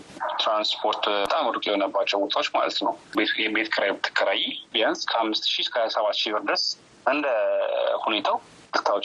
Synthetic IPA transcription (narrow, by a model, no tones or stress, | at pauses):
t̪ɾanspʰo̞ɾt̪t̪ʼamɾukʼjɛonəbːat͡ʃːɛwbot̪ʰawot͡ʃːma̰lə̰t̪nə̰wbeɛbet̪ʰkʰəɾajbɨt̪ʰːə̥kʰːəɾajbijanskʰəhamːɨst̪ʃiskʰaasəβat̪ːʃibɨɾd̪əs | ʔɨnd̪əhune̞t̪ʰaw | kɨt̪ʰawot͡ʃː